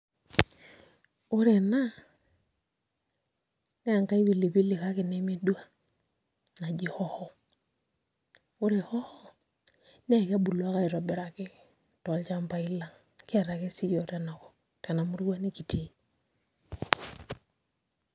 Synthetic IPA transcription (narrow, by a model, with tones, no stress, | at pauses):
ʊ˦ɾe˨na˦ | nɛ˦a˨ŋka˦i˦bi˨li˨βi˦lɪ˨ka˦kɪ˨nɛ˦me˦du˦a˦ | na˨d͡ʒɪ˨hɔ˦hɔ˨ | ʊ˦ɾe˨hɔ˦hɔ˦ | nɛ˦˨kɛ˦bu˨lwa˦ka˦i˨ɾɔ˨bɛ˨ɾa˨kɪ˦ | tɔ˨lt͡ʃa˦mpa˨ɪ˦la˨ŋ | kɪ˦a˨ɾa˨ke˦si˦jɔ˨ta˦na˨kɔ˨ | ta˨na˨mu˦ɾɡwa˦ni˦ki˨te˨˦